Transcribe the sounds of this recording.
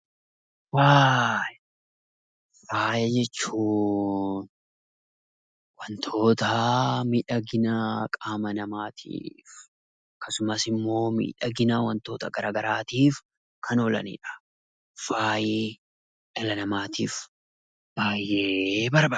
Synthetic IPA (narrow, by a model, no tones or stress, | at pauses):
waːj | faːjɛd͡ʒɛt͡ʃːuːn | wɐnt̪ʰo̞ːt̪ɐmiːᶑɐɡɪnakʼaːmɐnɐmaːt̪ʰḭːf | ɐkːɐsʊmɐsɪmːo̞ːmḭːᶑɐɡɪnaːwɐnt̪o̞ːt̪ɐɡɐɾaːɡɐɾaːt̪iːf | kʰɐnoːlɐ̰nḭːᶑɐ̥ | faːji | ʔɛlɐnɐmaːt̪iːf | b̥aːjːeːbɐɾbɐ